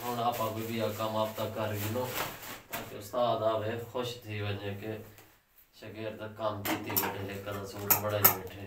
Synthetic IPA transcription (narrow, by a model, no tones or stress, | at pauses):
ɦʊɳaːpãːkoːbiːaːkəmaːp̚t̪ãːkəɾɡiːnoːt̪ã̰ːkeʊst̪aːd̪aːʋeːkʰʊʃt̪ʰiːbəɲẽːke | ʃəkɛːɾt̪akəmd̪it̪iːbeːʈʰeːɦeːkːəd̪ãːsuːt̪ːbəɽaːiːbeːʈʰeː